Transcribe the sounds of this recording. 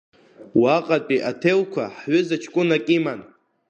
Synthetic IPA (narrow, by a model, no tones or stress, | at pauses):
waqʼatʼiʔatʰelkʷʰa̰ħɥʏzat͡ʃʰkʷʼʊnakʲʼiman